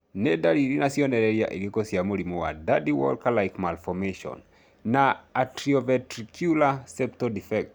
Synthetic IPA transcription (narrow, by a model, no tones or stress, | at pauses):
nɛdadiɾinasiɔnɛɾɛɾia̰ʔilikosiamoɾimowa̰dadiwɔ̰lkalajkmalfɔmeʃɔ̰n | naatɾiɔvɛtɾikʰjulasɛp̚tɔdifɛk̚t